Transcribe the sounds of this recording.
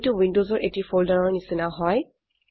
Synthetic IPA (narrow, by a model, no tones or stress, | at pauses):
tuwindozɔɹʔetifʰoldaɹɔɹnisinaɦɔj